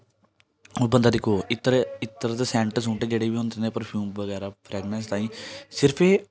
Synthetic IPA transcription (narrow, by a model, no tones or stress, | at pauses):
oːbənd̪aːd̪ɪkʰoːɪt̪ɾɪt̪ːəɾt̪esɛ̃ːɳʈsũːɳʈeːd͡ʒeːɽeːbiːõːnd̪eːneːpəɾpʰjuːmʋəɡɛːɾaːpʰɾɛːɡnɛ̃nst̪aːĩːsɪɾpʰeː